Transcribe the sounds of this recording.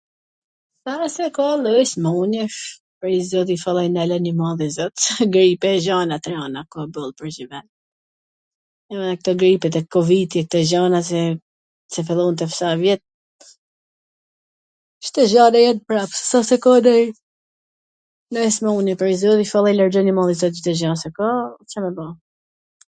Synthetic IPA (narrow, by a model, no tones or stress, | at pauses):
sasɛkɔləsmuni | pəɾizɔt̪̬ifalˠɛjnɛlɛnimaðjɛzɔt̪sɡɾipɛʒanat̪ɛɾanakɔbəlˠpəɾd͡ʒivɛn | anɛk̚t̪ɔɡɾipɛt̪ɛkɔvit̪jɛk̚t̪ɔʒanas̬ɛ | sɛfɛlˠɔnt̪ɛfsavjɛt̪̚ | ʃt̪ɛʒanajɛn̚pɾapssasɛkɔd̪ɛj | nɛɛsmɛunipɾizɔt̪ifalˠɛjlaɾɔnimalˠizɔt̪̚d͡ʒt̪ɛʒansɛkɔsɛmɛba